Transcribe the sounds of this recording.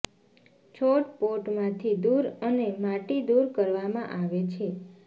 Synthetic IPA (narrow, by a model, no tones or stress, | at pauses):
t͡ʃʰoʈpoʈmãt̪ʰid̪uɾənemaʈid̪uɾkəɾʋamã̰ʔaʋet͡ʃʰe